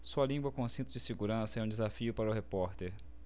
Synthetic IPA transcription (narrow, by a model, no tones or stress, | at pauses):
suɐlĩɡwɐkõʊ̃sẽnt̪ɾʊd͡ʒɪseɡuɾɐ̃sɐɛũd͡ʒɪzafiʊpaɾɐʊɦepɔɾt̪eɾ